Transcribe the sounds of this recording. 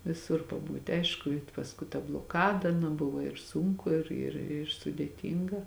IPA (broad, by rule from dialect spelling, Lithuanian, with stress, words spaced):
ʋʲɪˈsʊr pɐˈbuːtʲɪ ˈɐɪʃkʊ ɪ pɐsˈkʊɪ tɐ blˠoːˈkɑːdɐ nʊ ˈbʊʋoː ɪr ˈsʊŋkʊ ˈɪr ɪr ɪr sʊdʲeːˈtʲiːŋɡɐ